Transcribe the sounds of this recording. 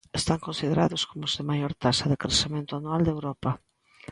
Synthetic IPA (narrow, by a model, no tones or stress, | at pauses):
est̪aŋkõnsiðeɾaðʊskomʊʊzðemajoɾt̪asɐðɪkɾesemẽnt̪ʊanuald̪ewɾɔpɐ